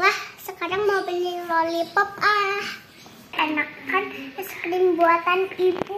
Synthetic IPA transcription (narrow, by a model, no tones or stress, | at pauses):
lahsəkaɾaŋmaubililolipɔp̚ah | anak̚kansə̥kdɪŋbuat̪anipu